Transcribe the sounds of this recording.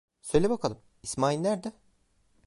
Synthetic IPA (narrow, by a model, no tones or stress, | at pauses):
sø̞jlʲebakʰalˠɯm | ismaːilʲːæɾd̪ɛ